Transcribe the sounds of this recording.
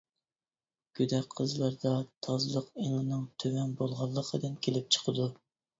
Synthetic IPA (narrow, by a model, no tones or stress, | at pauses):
ɡ̥ʲyd̪ɛqʰːəzlˠɑɾd̪ɑt̪ʰɑzɨlˠəqeŋənɨŋt̪ʰøwɛnbolˠʁɑlˠːəqʰəd̪ɨnkʲʰelɪp̚t͡ʃʰə̥qʰəd̪u